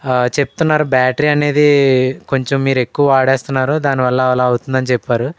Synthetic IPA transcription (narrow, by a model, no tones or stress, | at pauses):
t͡ʃe̞pu̥t̪unːaːɾubaːʈɾiːɐne̞ːd̪iko̞ɲt͡ʃomːiːɾe̞kːuʋɐaːɽeːst̪unːaːɾud̪aːniʋɐlːɐlaɐwut̪und̪ɐnit͡ʃɛpːaːɾu